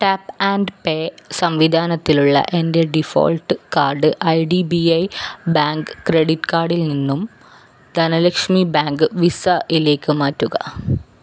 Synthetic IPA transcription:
ʈapaːnɖpeːsɐmʋid̪ʱaːnɐt̪ːiluɭːɐ̰ʔe̞nde̞ɖifo̰ːlʈɨkaːrɖɨʔɐjɖibiɐjbaːŋɡɨkːreɽiʈːɨ̥kaːrɖilninːum | d̪̥ʱɐnɐlekʂmibaːŋɡɨʋisɐʔile̞ːkːɨmaːtːuɣɐ̰

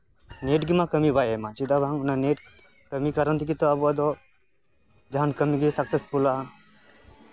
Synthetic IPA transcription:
neːʈɡimãkəmibajemat͡ʃid̪abaŋunaneːʈ | kəmikɐɾənt̪ik̬it̪ɔabuad̪ɔ | d͡ʒaɦankɐmiɡisɐksespula

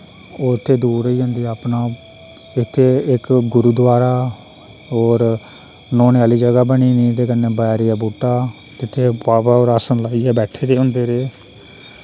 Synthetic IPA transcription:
oːɪt̪ʰːeːd̪uːɾəiːd͡ʒãːnd̪iːɛəpnaː | ɪt̪ʰːeːɪkɡʊɾuːd̪ʋaːɾaː | oːɾ | noːnjaːliːd͡ʒəɡaːbəɳiːnĩːt̪eːkənːeːbaːɛɾɪjaːbuːʈːaː | k̪ɪt̪ʰːeːpaːbaːoːɾaːsənlaːiːɛːbɛːʈʰeːd̪eːɦʊ̃nd̪eːɾeː

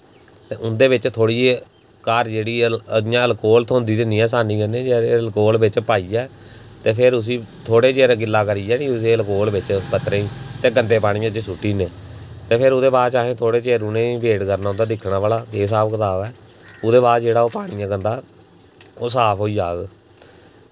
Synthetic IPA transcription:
t̪eːʊnd̪eːʋɪt͡ʃt̪ʰoːɽiːe | kaɾd͡ʒeːɽiːəɪjãːəlkoːlt̪ʰoːnd̪iːd̪eniːɛːsaːnĩːkənẽːd͡ʒeɾeəlkoːlʋɪt͡ʃpaːiːɛː | t̪eːpʰɪɾʊs̬iːt̪ʰoːɽeːt͡ʃeːɾɡɪlːaːkəɾiːɛːnĩːʊseːəlkoːlʋɪt͡ʃkət̪ɾeːĩːt̪eːɡənd̪eːpaːɽɪ̃ːãːd͡ʒeːsʊʈːiːneːt̪eːpʰɪɾʊd̪eːbaːd̪t͡ʃaːɦẽːt̪ʰoːɽeːt͡ʃeːɾuːnẽːbeːʈkəɾnaːʊ̃nd̪aːd̪ɪkʰɽaːʋaːlaːeːs̬aːpkət̪aːbɛː | ʊd̪eːbaːd̪d͡ʒeːɽaːoːpaːɽ̃ɪjãːkənd̪aː | oːsaːpʰɦoːiːd͡ʒaːɡ

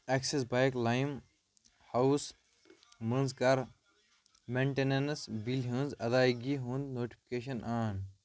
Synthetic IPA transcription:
eksesbajklajm | hɐws | mə̃nzkɐɾ | mẽɳʈenensbilʲɦɨ̃nzɐd̪aːjɡiɦũnd̪noːʈi̥pʰi̥keːʃ̬ɐnʔaːn

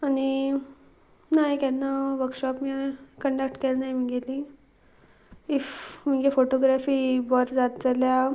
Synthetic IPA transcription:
añi | nakanːaʋəɾkɕɔpmiakəɳɖak̚ʈkelnajmiɡelĩ | ifmiɡefoʈoɡɾafiːbɔɾd͡zat̪̚d͡zalja

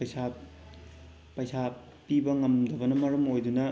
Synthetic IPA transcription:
sa | pɐjsa | pibɐŋɐmdɐbɐnɐmɐɾɐmojdunɐ

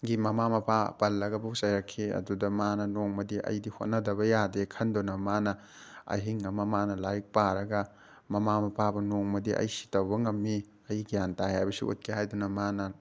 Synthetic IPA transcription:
ɡimɐmamɐpʰapɐlːɐɡɐbusajɾɐkʰːiɐ̰dudɐmanɐnoŋmɐdiʔɐ̰jdihot̚nɐdɐβɐjadekʰɐndonɐmanɐ | ɐ̰jɦiŋːɐmɐmanɐlajk̚paɾɐɡɐ | mɐmamɐpʰabɐnoŋmɐdiʔɐ̰jsi̥tɐwbɐŋɐmːi | ɐjɡijantajajbɐsṵʔṵt̚kʰiɦajdunɐmanɐ

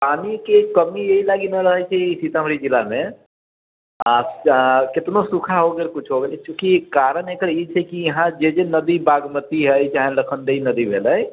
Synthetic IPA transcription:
pamikekəmieɦilaɡinəɾəɦəjt͡ʃʰɛsit̪amɾid͡ʒilamẽ | a | ket̪nosukʰaɦoɡelkut͡ʃʰɦoɡelɛt͡ʃũkikaɾənekəɾit͡ʃʰɛkijəɦãd͡ʒed͡ʒenəd̪ibaɡmət̪iɦəjt͡ʃaɦẽləkʰənd̪einəd̪ibʱeləj

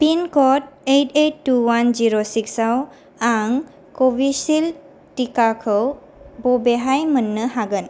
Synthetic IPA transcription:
pinkɔt̚ejtejtːuwand͡ʒiɾosiksaw | aŋ | kobisil | ʈikakʰəw | bɔbeɦajmənːəɦaɡən

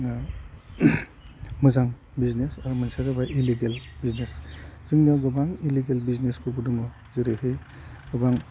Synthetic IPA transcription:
mɯzaŋ | biznesaɾumansazabaʔiliɡelbiznesz̥ɯŋniaɡɯbaŋiliɡelbiznesbubuduŋɔ | ziɾehej | ɡɯbaŋ

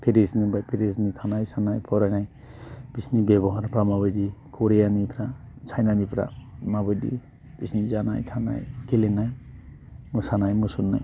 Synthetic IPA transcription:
pʰeɾisnibajpʰeɾes̬nit̪ʰanajsanajpʰɔɾanaj | b̥isnibeβɔɦaɾpɾamabədikoɾijanipʰɾat͡sʰajnanipɾa̰mabəjdḭ | b̥isnid͡ʒanajt̪ʰana̰jkelenaj | musanajmusunːa̰j

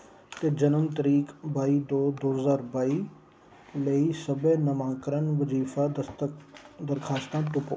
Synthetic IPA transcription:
t̪ed͡ʒɐnəmt̪əɾiːkbaːid̪oːd̪oːɦəzaːɾbaːi | lɐisɐbenɐmãːkəɾənʋəziːfad̪ | d̪ɐɾkʰaːst̪ãːʈ̪ʊpoː

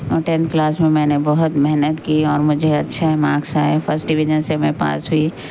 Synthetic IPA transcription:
oʈẽnt̪klaːsmẽmɛ̃ːnebɔɦʊt̪mɛɦnət̪kiɔːɾmʊd͡ʒʱeɐtːʃʰaɦɛmãːksaɦɛpʰəɾsʈ̚ɖɪʋid͡ʒənsemẽpa̰ːsɦʊi

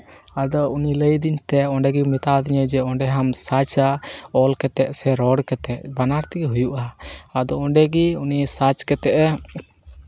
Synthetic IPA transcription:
ad̪ɔuniləjd̪iɲt̪ɛɔɳɖɛɡimit̪ad̪iɲəd͡ʒɛɔɳɖɛɦamsat͡ʃaɔlkɛt̪ɛʔsɛɾɔɽkɛt̪ɛʔbanaɾt̪iɡɛɦujuʔaːd̪ɔɔɳɖɛɡiunisat͡ʃkɛt̪ɛʔɛ

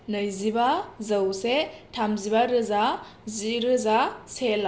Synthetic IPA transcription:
nɯjzibazawsetʰamzibaɾɯza | ziɾɯzasela

